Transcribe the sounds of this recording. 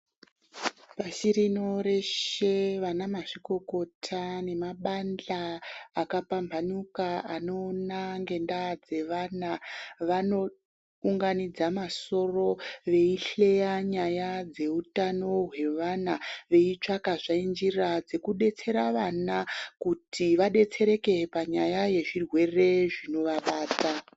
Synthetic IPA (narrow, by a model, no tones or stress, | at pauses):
paʃiɾino̞ɾe̞ʃe̞ʋanamaʂiko̞ko̞tʰane̞maɓand͡ɮaːkapambʱanukaano̞ːnaŋɡe̞ndad͡ze̞ʋanaʋano̞ | uŋɡanid͡zamaso̞ro̞ʋe̞iɬe̞jaɲajad͡ze̞utano̞ɦwe̞ʋanaʋe̞it͡ʂakaʐaind͡ʒirad͡ze̞kuɗe̞t͡se̞ɾaʋanakutʰiʋaɗe̞t͡se̞ɾe̞ke̞paɲajaje̞ʐirwe̞re̞ʐino̞ʋaɓaːta